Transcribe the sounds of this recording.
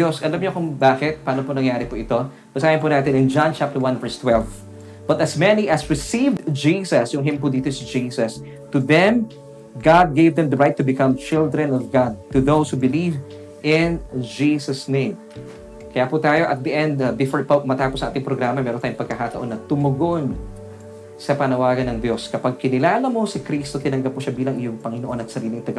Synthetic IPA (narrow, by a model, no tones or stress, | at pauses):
osɐlamɲoɐkʊŋbaːkɪt̪̚paːnopʊnɐŋjaːɾɪpuʔɪt̪o̞ | bɐsaːjɪnpunaːt̪ɛnɐŋd͡ʒãnt͡ʃap̚t̪əɹwãnvɛɹst̪wɛlv | b̥ɐt̪ɐsmɛniʔɐsɹɪsivd̪d͡ʒiːsɐsjʊŋɦɪmpud̪iːt̪osɪd͡ʒiːsɐs | t̪uðɛ̃m | ɡad̪̚ɡejvd̪ɛ̃md̪ɐɹajt̪ːʊbɪkɐ̃mt͡ʃɪld̪ɹɛnɔvɡad̪̚t̪ʊðowshubɪliv | ʔɪnd͡ʒisɐsnẽjm | kɐjaːput̪aːjoʔɐt̪̚d̪ɐʔɛnd̪bɪfoɹpɐmɐt̪aːposʔɐ̃ʔaːt̪ɪŋpɾoɡɾaːmɐmɛːɾont̪ajʊŋpɐɡ̚kɐkaːt̪ɐ̰ʔo̞nːɐt̪ʊmʊɡʔon | sɐpɐnɐwaːɡɐnːɐŋd̪jo̞skɐpaɡ̚kɪnɪlaːlɐmo̞sɪkɾist̪ot̪ɪnɐŋɡɐp̚ːuʃɐbiːlɐŋʔɪjoŋpɐŋɪnoʔo̞nɐt̪sɐɾiːlɪŋt̪ɐɡɐ